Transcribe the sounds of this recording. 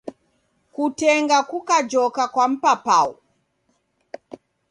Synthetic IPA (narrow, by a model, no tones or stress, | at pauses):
kutɛŋɡakukad͡ʒɔkakwam̩papau